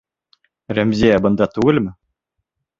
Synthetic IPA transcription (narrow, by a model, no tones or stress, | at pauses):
ɾæmzʲiæbɤ̆nd̪ɑt̪ʉɡɘlmɘ